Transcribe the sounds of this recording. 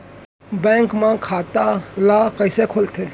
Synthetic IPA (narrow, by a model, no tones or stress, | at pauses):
bẽːŋkmãːkʰaːt̪aːlaːkəɪseːkʰolt̪ʰeː